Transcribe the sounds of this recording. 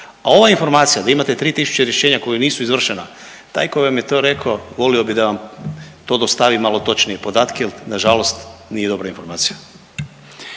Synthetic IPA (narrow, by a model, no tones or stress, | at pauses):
ao̞ʋainfo̞ɾmaːt̪sijad̪aimat̪e̞t̪ɾiːt̪isu̥t͡ɕeɾjeʃeːɲako̞juniːsuizʋr̩ʃena | t̪a̰jko̞jʋamje̞t̪o̞ːɾe̞kʰoʋo̞lio̞bid̪aʋamt̪o̞ːd̪o̞st̪aʋimalo̞t̪o̞t͡ʃnijepo̞d̪aːt̪kejelnaʒalo̞st̪nije̞d̪o̞bɾainfo̞ɾmaːt̪sija